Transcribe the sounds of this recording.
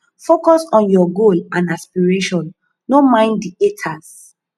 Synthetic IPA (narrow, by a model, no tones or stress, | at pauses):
fokɔsɔ̃njɔɡolãnaspiɹeʃɔ̃nː | omãɪ̃ndietʰas